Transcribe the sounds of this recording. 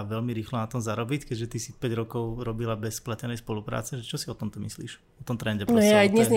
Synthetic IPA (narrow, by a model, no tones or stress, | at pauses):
ʋɛlmiɾiːxlɔnat̪ɔmzaɾɔbickɛɟʒɛt̪isipɛɟɾɔkɔʊɾɔbilabɛsplacɛnɛjspɔlupɾa̰ːt͡sɛʒɛt͡ʃɔsiɔt̪ɔmt̪ɔmislḭːʃ | ɔt̪ɔmt̪ɾɛnɟɛpnɔaajd̪ɲɛzɲ